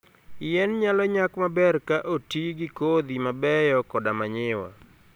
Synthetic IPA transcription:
ɪjɛnɲalɔɲakmabɛrkaʔotiɡɪkod̪imabɛjɔkɔdamaɲɪwa̰

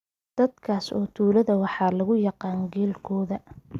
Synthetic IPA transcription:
d̪̥ɐd̪kʰaːsɔ̰ːt̪ʰuːlɐðɐwɑħɑːlɐɣʊjɑqɑːŋɡɛːlkʰɔːðɐ

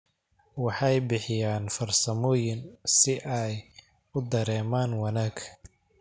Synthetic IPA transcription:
wɑħɑjbɪħɪjaːnfɐrsɐmɔːjɪnsɪʔɛj | ʊd̪ɐɾɛːmaːnwɑnaːɡʰ

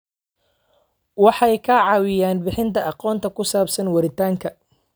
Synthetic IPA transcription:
wɑħɑjkʰɐʕɑːwɪjaːnbɪħɪnt̪ʰɐʔɑqɔːnt̪ʰɐkʰʊsaːbsɐnwɐɾɪt̪ʰaːŋkʰɐ

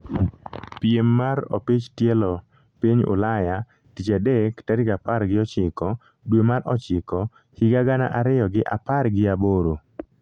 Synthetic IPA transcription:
piemːaɾɔ̰pit͡ʃtjɛlɔ | piɲʊ̰laja | tit͡ʃadektaɾikapaɾɡɪɔt͡ʃɪkɔ | dwemaɾɔt͡ʃɪkɔ | hiɡaɡana̰ʔaɾɪjɔɡɪʔaparɡɪaboɾo

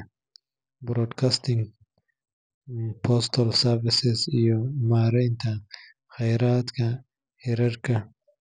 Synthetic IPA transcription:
bɾoːɖkast̪iŋɡ | pʰost̪olsaɾvɪsezjomaːɾant̪ʰa | xajɾat̪ka | hiɾaɾka

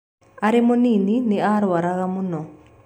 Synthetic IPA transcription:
aɾemoninineaɾwaɾaɣamunɔ

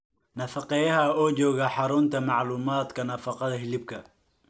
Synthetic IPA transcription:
nɐfɑqɛjɐɦɐɔːt͡ʃɔːɣɐħɑɾʊnt̪ʰɐmɑʕluːmaːd̪kʰɐnɐfɑqɑðɐɦɪlɪb̚kʰɐ

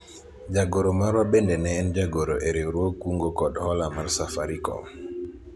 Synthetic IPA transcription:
d͡ʒaɡoɾomaɾwabendenɛːnd͡ʒaɡoɾoʔeɾiɾwokːuŋɡokɔdhɔlamarsafaɾikɔ̰m

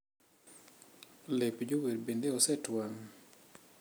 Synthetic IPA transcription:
lepd͡ʒoweɾbendeɔsɛtwaŋ

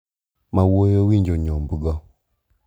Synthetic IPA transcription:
mawojowiɲd͡ʒoɲɔmbuɡɔ

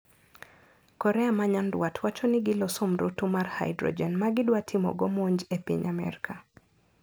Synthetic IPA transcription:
kɔɾɛamaɲandwatʰwat͡ʃɔnɪɡɪlɔsomɾotumarha̰jdɾɔ̰d͡ʒɛnmaɡɪdwatʰɪmɔ̰ɡɔmoɲd͡ʒepḭɲamɛ̰ɾkʰa

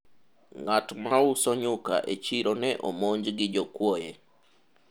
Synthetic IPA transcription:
ŋatmausɔɲuka̰ʔet͡ʃiɾɔnɛʔomoɲd͡ʒɡɪd͡ʒɔkwɔjɛ

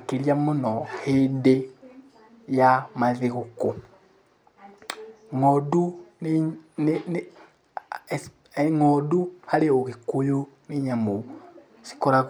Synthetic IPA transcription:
keɾjamonɔhede | jamaðeɣuko | ŋɔdu | ŋɔduhaleoɣekojoneɲamo | si̥kɔɾa

